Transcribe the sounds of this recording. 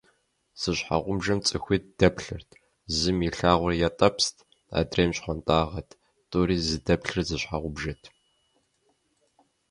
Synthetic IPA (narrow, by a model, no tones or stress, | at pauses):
z̥ɨɕħa̰ʁʷʊmʒɐmt͡sʼɨxʷit̚d̥ɐpʰɬɨrtʰ | zɨmiɬaːʁʷʊrjatʼɐpstʰ | a̰ːdreːmɕχʷɔntʼaːʁɐtʰ | tʼʊɾiːzɨdɐpɬɨrzɨɕħaʁʷʊbʒɐtʰ